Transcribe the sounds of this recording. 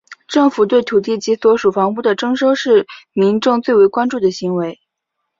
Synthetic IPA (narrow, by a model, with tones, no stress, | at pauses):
ʈ͡ʂɤ˥˩ŋfu˨˩t̪we˥˩ɪt̪ʰu˨˩t̪̬i˥˩t͡ɕi˧˥swɔ˧˥ʂu˨˩fɑ˧˥ŋpu˥˩d̪ə˩ʈ͡ʂɤ˥ŋʂo˥ʊʂɻ̩˥˩mi˧˥nʈ͡ʂʊ˥˧ŋt͡swe˥˩ɪwe˧˥ɪkwa˥nʈ͡ʂu˥˩d̪ə˩ɕi˧˥ŋwe˧˥ɪ